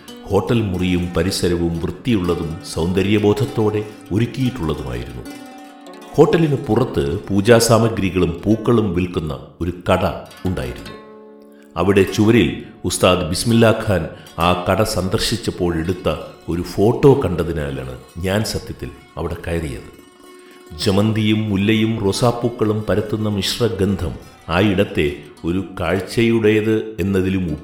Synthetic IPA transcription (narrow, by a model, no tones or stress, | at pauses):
ho̞ːʈːɐlmurijumpɐɾisɐɾɐʋumʋrɨt̪ːijuɭːɐðumsɐwnd̪ɐɾjɐbo̞ːd̪ʱɐt̪ːo̞ːɽe̞ | oɾukʲːijiʈːuɭːɐðuma̰ːjḭɾunːu | ho̞ːʈːɐlinepurɐt̪ːɨpuːd͡ʑaːsaːmɐɡɾiɣɐɭumpuːkːɐɭumʋilkunːɐ̰o̞ɾukɐɽɐuɳɖa̰ːjiɾunːu | ɐʋiɽe̞t͡ɕuʋɐɾilust̪aːd̪bismilːaːkʰaːn | aːkɐɽɐsɐnd̪ɐrɕit͡ɕːɐpːo̞ːɭe̞ɽut̪ːɐo̞ɾufo̞ːʈːo̞ːkɐɳɖɐðina̰ːla̰ːɳɨ̰ɲaːnsɐt̪jɐt̪ːil | ɐ̰ʋiɽe̞kɐjrijɐ̰ðɨ | d͡ʑemɐnd̪ijumːulːɐjumrosaːpːuːkːɐɭumpɐɾɐt̪ːunːɐmiʂrɐɡend̪ʱɐm | aːiɽɐt̪ːe̞o̞ɾukaːɻt͡ɕːɐjuɽejɐðɨe̞nːɐðilumu